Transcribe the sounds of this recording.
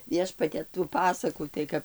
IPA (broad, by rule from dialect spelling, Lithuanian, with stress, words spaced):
ˈʋʲiɛʃpɐtʲɛ tuː ˈpɑːsɐkuː tɐɪ ˈkɐp